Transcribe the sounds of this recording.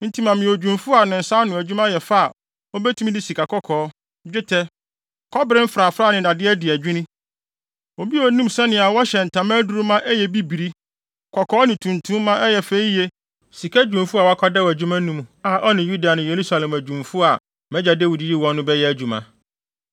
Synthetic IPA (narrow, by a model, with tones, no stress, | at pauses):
n̩˦tʰi˦mã˨mɪ̃˨o˨d͡ʑᶣũ˨mfʊ˦a˨nɪ̃˨n̩˨sa˦nʊ̃˨æ˨d͡ʑᶣu˦mã˦jɛ˨fa˦a˨ | ɔ˦bɛ˦tʰũ˦m˦di˦si˨kʰa˨kʰɔ˦kʰɔː˨˦ | d͡ʑᶣɪ˦tʰɛ˦ | kʰɔ˦bɾɪ˦m̩˦fɾa˨fɾaː˦˨nɪ̃˨da˨dɪ˦ɛ˦dɪ˨æ˨d͡ʑᶣɪ˦nɪ̃˦ | o˨bi˦ɔ˨˦nũ˦msɛ˦nɪ̃˨a˨wɔ˦ɕɛ˨n̩˨tʰã˨mã˦du˦ɾu˦mã˦ʔɛ˦jɛ˨bi˦bi˨ɾi˦ | kʰɔ˨kʰɔː˦nɪ̃˨tʰũ˨ntʰũ˦mː˦ã˦ʔɛ˦jɛ˨fe˦i˦jɛ˦ | si˨kʰa˦d͡ʑᶣũ˨mfu˦a˨wɔ˨a˦kʰɔ˦dɛ˦wæ˨d͡ʑᶣu˦mã˦nũ˦m˨a˨ʔɔ˦nɪ̃˨ju˦da˨nʊ̃˨je˨ɾu˦sa˨lɛ̃˨mæ˨d͡ʑᶣũ˨mfʊ˦a˨ | mɛ̃˦d͡ʑa˨de˦˨wu˨di˨ji˦wɔ̃˦nːʊ̃˦bɛ˦jɛ˦æ˨d͡ʑᶣu˨mã̰˨